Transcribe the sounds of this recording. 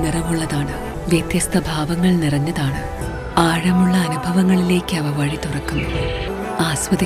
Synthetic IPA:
nirɐmuɭːɐðaːɳɨ | ʋjɐt̪jɐst̪ʰɐbʱaːʋɐŋːɐɭnirɐɲːɐðaːɳɨ | aːɻɐmuɭːɐːnubʱɐʋɐŋːɐɭile̞ːkʲːɨɐʋɐʋɐɻit̪urɐkːunːu | aːsʋɐd̪ɐ

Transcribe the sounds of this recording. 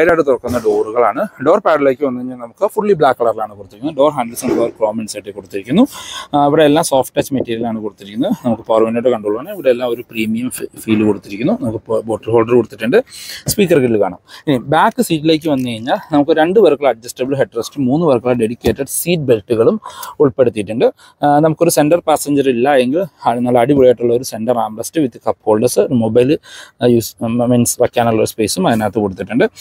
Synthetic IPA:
ɐjɾaːɽɨt̪orɐkːunːɐɖo̞ːruɣɐɭaːɳɨɖo̞ːrpaːɖɐle̞ːkːɨʋɐnːuɐɲːaːlnɐmukːɨfuɭːibɭaːkːɐɭɐrlaːɳɨkoɽut̪ːiɾikːunːɖo̞ːrɦaːnɖɐlsuɳɖoːrkroːmenɖsajʈːekːoɽut̪ːiɾikʲːunːuiʋiɽe̞ːlːaːmsoːfʈːɐt͡ɕːmɐtːiːɾjɐlaːɳɨkoɽut̪ːiɾikʲːunːɐnɐmukːɨpɐrmɐnːoːɽːekɐɳɖuoɭuʋaːɳɨiʋiɽe̞elːaːmo̞ɾupriːmijɐmfiːlkoɽut̪ːiɾikʲːunːunɐmukːɨboːʈːɐlhoːɭɖɐrkoɽut̪ːiʈːuɳɖɨspiːkːɐrkeɽilkaːɳa̰minibaːkːɨsiːtːileːk̬ʲːɨʋɐnːɨkɐɻiɲːaːlnɐmukːoɾuɾe̞ɳɖɨʋɐrkːɐɭɐɖ̚d͡ʑɐstɐbɨlɦeʈːrɐstɨmuːnːɨʋɐrkːɐɭɐɖeɽikʲːe̞ːʈːɐɖsiːʈ̚belʈːuɣɐɭumuɭpe̞ɽut̪ːijʈːuɳɖɨ | nɐmukːo̞ɾuse̞nɖɐrpaːsɐɲd͡ʑɐrilːɐjeŋɡilɐnːaːɭɐɽiʋiɭijeʈːuɭːɐo̞ɾuse̞ɳɖɐraːmrɐstɨʋit̪ːikɐpːho̞ːɭɖɐrsɨmobɐjlɨjuːsmensʋɐkʲːaːnuɭːɐoɾuspe̞ːsumɐðinaːt̪ːekoɽut̪ːiʈːuɳɖɨ

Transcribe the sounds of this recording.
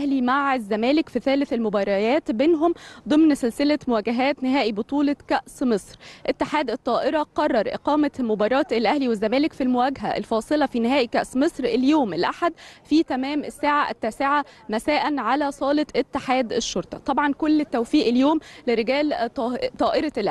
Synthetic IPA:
ʔæhlimaʕezːæmæːlɪkfiθæːlɪθelmobɑːɾˤɑjæːt̪beːnɦomd̪ˤɨmnselselæmʊwæːɡæɦæːt̪nɪɦæːʔibot̪ˤuːlɑkæʔsmesˤɾʔet̪ːeħaːd̪ʔet̪ˤːɑːʔeɾɑqɑrˤːɑɾˤʔḛqɑːmæmobɑːɾˤɑːt̪elʔæhliwezːæmæːlɪkfilmowæɡɦæ̰ʔḛlfɑːsˤɨlɑfinɪhæːʔikæʔsmesˤɾeljoːmelʔaħad̪fiːt̪æmæːmʔesːaːʕaʔɪt̪ːæseʕamæsæːʔænʕalæsˤɑːlet̪ʔet̪ːeħaːd̪eʃːoɾt̪ˤɑt̪ˤɑbʕɑnkolːt̪ːæwfiːʔeljoːmleɾeɡæːlt̪ˤɑːʔeɾˤɑlʔæ

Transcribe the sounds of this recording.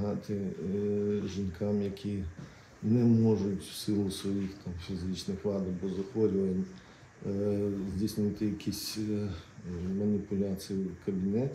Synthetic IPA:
ɦɑt̪ɪ | ʒinkʰɑmjɐkʲʰi | nɛmɔʒʊtʲwsɪlˠʊsʋɔjixt̪ʰɑmfʲizɪt͡ʃnɪxʋlˠɑd̪ɐbɔzɐxʋɔɾʲʊʋɐnʲ | zʲdʲisnɪt̪ɪjɐkʲʰisʲ | mɐnʲipʊlʲat͡sʲijikɐbʲinɛt̪ʲ

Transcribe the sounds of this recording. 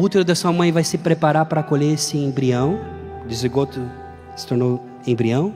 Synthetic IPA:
ut̪eɾʊd̪ɐsuɐmɐ̃j̃vajsɪpɾepaɾaɾpɾɐkoʎesɪẽbɾiɐ̃w̃ | d͡ʒɪzeɡot̪ʊ | sɪ̥t̪oɾnow | ẽbɾiɐ̃w̃

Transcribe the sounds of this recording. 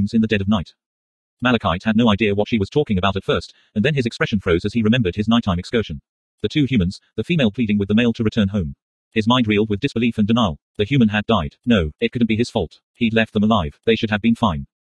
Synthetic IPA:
mzɨ̃nðɨdɛɾʌvnaɪt | mælˠɨkʰaɪt̚hɨdⁿnoʊaɪdiɨwʌtʃiwʌz̥tʰɔkɪ̃ŋɨbaʊɾɨtfɜ˞st | ɨ̃nðɨ̃nɨzɨkspɹɛʃn̩fɹoʊzɨz̥iɹɨmɛ̃mbə˞d̚ɨznaɪtʰãɪ̃mɨkskɜ˞ʒɨ̃n̩ | ðɨtʰʉhjʉmɨ̃nzðɨfimeɪlˠpʰl̥iɾɪ̃ŋwɨðəmeɪlˠtʰɨɹɨtʰɜ̃˞nɦõʊ̃m | ɨzmãɪ̃nd̚ɹilˠd̚wɨðdɨsb̥ɨlifɨ̃ndɨnaɪlˠðɨhjʉmɨ̃nɨdaɪdⁿnoʊɨt̚kʰʊdⁿn̩b̥iɨz̥fɔlˠt | hilɛft̪̚ðə̃məlaɪv̥ðeɪʃɨd̚ɨvbɨ̃nfãɪ̃n

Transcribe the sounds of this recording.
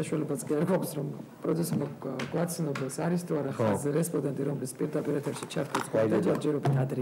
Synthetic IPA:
aʃualɛbaskʼiaɾɡʰaksɾɔmpʼɾɔt̪sʰɛsmaɡwat̪sʰnɔbɛsaɾist̪ʰuaɾaχazɛɾɛspʼɔd̪ɛnt̪ʼiɾɔmlispʼiɾd̪apʼiɾɛt̪ʰɛɾʃit͡ʃʰaɾt̪ʰɛskʼɔd̪ad͡ʒɛɾd͡ʒɛɾɔbit̪ad̪ɾi

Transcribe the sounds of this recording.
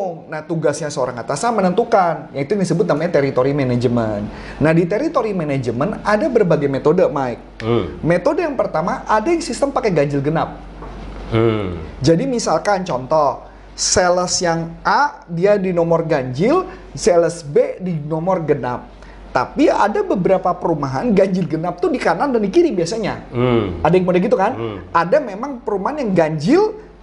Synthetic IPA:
ŋnaht̪uɡasɲasəoɾaŋat̪asamənənt̪ukanjaŋit̪ujaŋdisəbʊt̪̚namaɲat̪eɾit̪oɾimenad͡ʒəmən | nahdit̪eɾit̪oɾimened͡ʒəmənadabərbaɡajmet̪odəmaɪk̚met̪odəjaŋpərt̪amaʔːdajaŋsist̪əmpakɛɡaɲd͡ʒɪlɡənap̚ | d͡ʒadimisalkant͡ʃɔnt̪ɔh | seləsjaŋʔa | diadinɔmɔrɡaɲd͡ʒɪl | seləsbedinɔmɔrɡəna̰p̚ | t̪a̰pia̰dabəbəɾapapəɾumaɦanɡaɲd͡ʒɪlɡənap̚t̪udikanandandikiɾibiasaɲaadajaŋkəmodaɡit̪̬ukanʔadamemaŋpəɾumaɦanjaŋɡaɲd͡ʒɪl

